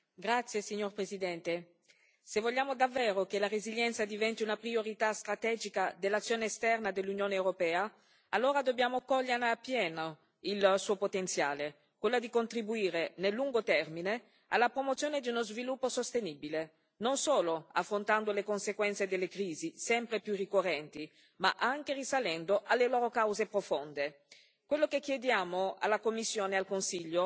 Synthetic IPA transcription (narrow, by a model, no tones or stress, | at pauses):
ɡɾat̪sːjesiɲːorpɾezid̪ɛnt̪e | sevoʎːaːmod̪avːɛːɾokelareziʎːɛnt̪sad̪ivɛnt̪iunapɾioɾit̪ast̪ɾat̪ɛd͡ʒikad̪elːat̪sjoːneːst̪ɛrnad̪elːunjoːneewɾopɛːa | alːoːɾad̪objaːmokɔʎːerneapːjɛːno | ilsuːopot̪ent̪sja̰ːle | kwelːad̪ikont̪ɾibuiːɾenelːuŋɡot̪ɛrmine | alːapɾomot̪sjoːned̪iunozvilupːosost̪enibile | nonsoːloafːɾont̪and̪olekonsekwɛnt̪sed̪elːekɾiːzisɛmpɾepjurːikorːɛnt̪i | ma̰ʔaŋkerisalɛnd̪oʔalːeloːɾokawzepɾofond̪e | kwelːokek̟jed̪jaːmoa̰lːakomːisːjoːnealkonsiʎːo